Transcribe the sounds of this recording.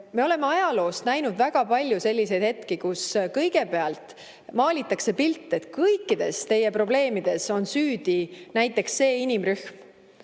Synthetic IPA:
me̞o̞le̞meɑjɑlo̞ːst̪næjnud̪væɡ̥ɑpɑlʲjuse̞lʲːise̞jd̪̥he̞t̪kikuskɤjɡe̞pe̞ɑlt̪ˑ | mɑːlʲit̪ːˑɑkse̞pilt̪ːˑe̞t̪kɤjkːˑid̪̥e̞̰st̪e̞je̞pro̞ble̞ːmid̪̥e̞so̞nsyːd̪̥inæjt̪ːˑe̞ksːe̞ːinimryhm

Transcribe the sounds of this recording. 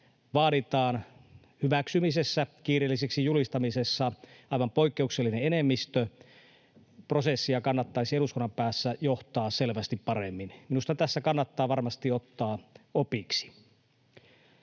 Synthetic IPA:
ʋɑːɾit̪ɑːn | hyʋæksymisesːækiːrelːiseksijulist̪ɑmisesːɑɑiʋɑmpoikːeukselːineenemːist̪ø | prosesːijɑkɑnːɑt̪ːɑisieɾuskonːɑmpæːsːæjoht̪ɑːselʋæst̪ippɑremːinminust̪ɑt̪æsːækɑnːɑt̪ːɑːʋɑrmɑst̪iot̪ːɑːopiksi̥

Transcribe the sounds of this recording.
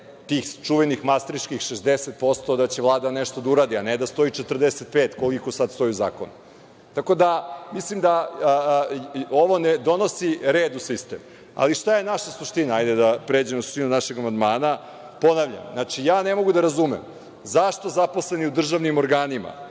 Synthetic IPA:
t̪iːxt͡ʃuʋenixmast̪ɾit͡ʃkixʃezd̪eset̪̚po̞st̪o̞d̪at͡ɕeʋlˠaːd̪aneʃt̪o̞d̪auɾaːd̪ianed̪ast̪o̞it͡ʃet̪rd̪eset̪̚peːt̪ko̞liko̞sad̪st̪o̞iuza̰ːko̞̰nu | t̪ako̞d̪amislimd̪a | oʋo̞ned̪o̞nosiɾeːd̪usist̪ḛm | a̰liʃt̪aje̞naʃasuʃt̪inaajd̪ed̪apɾe̞ːd͡ʑemosu̥ʃt̪inunaʃeɡamand̪maːna | po̞naʋʎa̰mnat͡ʃijaːne̞mo̞ɡud̪aɾazumem | zaʃt̪o̞zapo̞sle̞niud̪r̩ʒaʋnimo̞ɾɡaːnima̰

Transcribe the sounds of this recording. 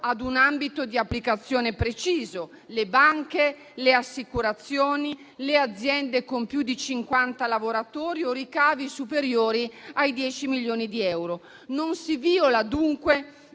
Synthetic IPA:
ad̪unambit̪od̪iapːlikat̪sːjoːnepɾet͡ʃiːzo | lebaŋke | leasːikuɾat̪sːjoːni | lead̪zːjɛnd̪ekompjud̪it͡ʃiŋkwant̪alavoɾat̪oːɾiorikaːvisupeɾjoːɾiajd̪jɛːt͡ʃimiljoːnid̪iɛwɾo | nonsiviːolad̪uŋkwe

